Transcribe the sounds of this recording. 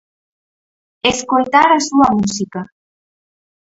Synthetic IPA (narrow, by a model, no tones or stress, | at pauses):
eskojt̪aɾasuamusika